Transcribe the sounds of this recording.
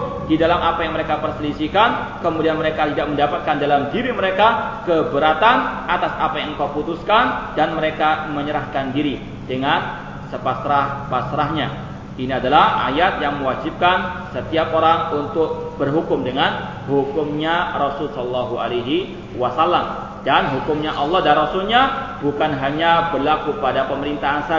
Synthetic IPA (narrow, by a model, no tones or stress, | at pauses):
didalamʔapajaŋməɾekapərsəlisikan | kəmudianməɾekat̪idak̚məndapat̪̚kandalamdiɾiməɾekakəbəɾat̪anat̪asapajaŋ̩kawput̪uskandanməɾekaməɲəɾahkandiɾi | dəŋan | səpasɾahpasɾaɦɲa | iniadalaha̰jat̪̚jaŋmə̃wad͡ʒip̚kansət̪iapoɾaŋunt̪ʊk̚bərɦukʊmdəŋan | hukʊmɲarɔsʊlsɔllːaɦua̰leɦi | wasalːam | danɦukʊmɲaʔɑlːɔhdanrɔsulɲabukanɦaɲabərlakupadapəməɾint̪aɦansa